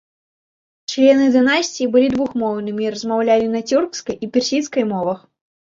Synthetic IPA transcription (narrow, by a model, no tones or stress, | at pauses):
t͡ʂlʲɛnɨd̪ɨnasʲt͡sʲijibɨlʲid̪vuxmɔwnɨmʲiɾɐzmawlʲalʲinɐt͡sʲurkskɐjipʲɛrsʲit̪skɐjmɔvɐx